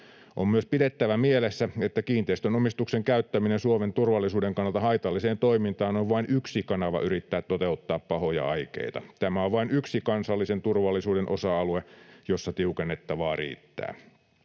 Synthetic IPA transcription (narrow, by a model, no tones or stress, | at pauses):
ʔommyøspidet̪ːæʋæmielesːæet̪ːækiːnt̪eist̪ønomist̪ukseŋkæyt̪ːæminensuoment̪urʋɑlːisuːdeŋkɑnːɑlt̪ɑhɑit̪ɑlːiseːnt̪oimint̪ɑːnoʋʋɑinyksikɑnɑʋɑ̰ʔyɾit̪ːæːt̪t̪ːot̪eut̪ːɑːppɑhojɑ̰ɑikḛit̪ɑ̰t̪æmæoʋʋɑinyksikɑnsɑlːisent̪urʋɑlːisuːdenʔosɑɑluejosːɑt̪iukenːet̪ːɑʋɑːrḭːt̪ːæ̰ː